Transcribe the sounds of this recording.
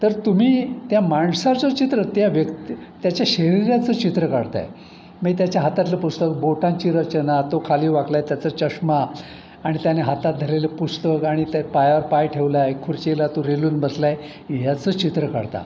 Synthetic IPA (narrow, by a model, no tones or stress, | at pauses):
t̪əɾt̪um̤iːt̪jamaɳsat͡sət͡ɕit̪ɾət̪jaʋjəkt̪it̪jat͡ɕjaɕəɾiɾjat͡səːt͡ɕit̪ɾəkaɽt̪a̰j | miːt̪̬jat͡ɕjaɦat̪at̪ləpust̪ək̚boʈãɲt͡ɕiːɾət͡ɕənat̪okʰaliːʋaklajt̪jat͡sət͡ɕəʂmaː | ɽ̃it̪janeɦat̪at̪̚d̪ʱaleləpust̪əkaɽ̃it̪pajaʋəɾpajʈʰeʋlaekʰuɾt͡ɕilat̪oɾeluːnbəslaj | ɦjat͡səːt͡ɕit̪ɾəka̰ɽt̪a̰